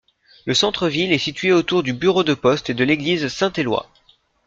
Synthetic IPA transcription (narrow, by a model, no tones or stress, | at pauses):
ləsɑ̃t̪χəvilɛsit̪ɥeot̪uʁd̪ybyʁod̪əpɔst̪ed̪əleɡlizsɛ̃t̪elwa̰